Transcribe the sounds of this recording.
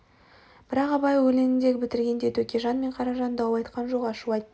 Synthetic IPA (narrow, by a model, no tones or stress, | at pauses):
b̥ɪɾɑqɑbɑjwɵlenɪnd̪e̞kʲbɪt̪ɪɾɡʲe̞nd̪e̞t̪ʰɵkʲeʒɑnme̞ɴqʰɑɾɑʒɑnd̪ɑwɑjt̪qɑnʒoʁɑʃuɑjt̪ː